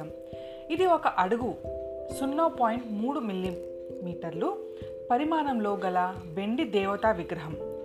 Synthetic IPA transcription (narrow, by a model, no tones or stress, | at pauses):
ɐm | id̪iɔkɐʔɐɽuɡu | sunːoːpaːjiɳʈmuːɽumilːim | miːʈɐɾlu | pɐɾimaːnɐmloːɡɐlɐ | ʋe̞ɳɖid̪ɛːʋɐt̪aːʋiɡɾɐɦɐm